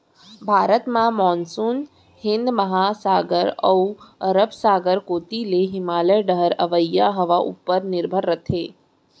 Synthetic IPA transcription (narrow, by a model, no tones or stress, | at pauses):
bʱaɾət̪mãmɔnsun | hɪnd̪məɦasaɡəɾə̰uəɾəpsaɡəɾkot̪ileɦɪmaləɖəɦəɾəʋəjːaɦəʋaʔṵpːəɾnɪɾbʱəɾːət̪ʰe